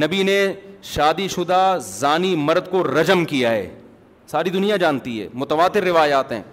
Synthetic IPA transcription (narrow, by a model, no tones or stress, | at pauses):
nɐbineʃaːd̪iʃʊd̪azaːnimɐɾd̪koɾɐd͡ʒəmkijaɦɛ̰ː | saːɾid̪ʊnijad͡ʒaːnt̪iɦɛ̰ːmʊt̪ɐʋaːt̪ɪɾːɪʋaːjaːt̪ɦɛ̰̃ː